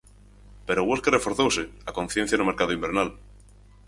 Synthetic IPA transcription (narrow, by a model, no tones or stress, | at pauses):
peɾoɣwoskerefo̞ɾθowseakõn̟θjen̟θjanumeɾkaðoimbeɾnal